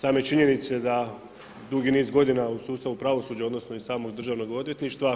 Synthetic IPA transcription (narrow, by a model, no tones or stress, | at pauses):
saːmoet͡ʃiɲe̞nit̪se̞d̪a | d̪uɡiniːzɡo̞d̪inausuːst̪aʋupɾaʋo̞suːd͡ʑao̞d̪no̞snoisaːmo̞ɡd̪rʒaːʋno̞ɡo̞d̪je̞t̪niʃt̪ʋa